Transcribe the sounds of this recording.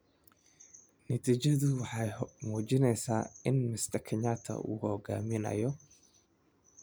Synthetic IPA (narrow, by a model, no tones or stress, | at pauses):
nɐt̪ʰiːt͡ʃɐðʊwɑħɑjmuːt͡ʃɪnɛjsaːɪnmɪst̪ʰɐkʰɛɲaːt̪ʰɐ̰ṵːhɔɡa̰ːmɪnɐ̰jɔ